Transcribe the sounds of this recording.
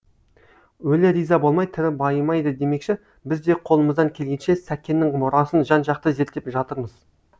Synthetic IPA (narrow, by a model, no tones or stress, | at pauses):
wɵlɪɾijzɑbolˠmɑjt̪ʰɪɾɪbɑjəmɑjd̪əd̪e̞me̞kʃɪ | bɪzd̪e̞qʰo̞lˠəməzd̪ɑŋkʲʰe̞lɡʲe̞nʃe̞sækʲːe̞nːɪŋmʊɾɑsənʒɑnʒɑq̚t̪əze̞ɾt̪ːe̞pʒɑt̪əɾməz